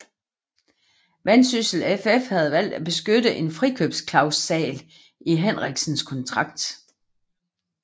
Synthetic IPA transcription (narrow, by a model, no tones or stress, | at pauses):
ʋænsysl̩efefhæð̞ˠʋæl̰d̥æb̥e̝sɡ̥ødəʔe̝nfʁikʰø̰b̥skʰlɑ̈ʊsːɛ̰ːl | iɦenʁɛɡ̥sn̩skʰɒ̽nt͡sʰʁɑ̈ɡ̥̚d̥